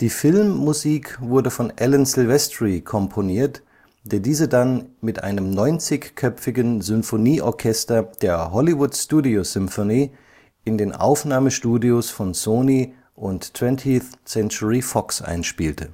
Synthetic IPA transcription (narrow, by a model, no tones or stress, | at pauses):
d̥iːfɪlmːuziːkvʊɐdəfɔnʔɛlənzɪlvɛstʁikʰɔmpʰoniːɐt | d̥eːɐdiːzədanmɪtʔa̰ɪnəmnɔʏnt͡sɪçkʰœpfɪɡənzʏmfoniːʔɔɐkʰɛstɐd̥eːɐɦɔlivʊtstuːdiozʏmfoniː | ʔɪndeːnʔa̰ʊfnaːməʃtuːdiosfɔnsoːni | ʔʊnttʰv̥ɛntʰiθsɛnt͡ʃuʁifɔksʔa̰ɪnʃpiːltʰə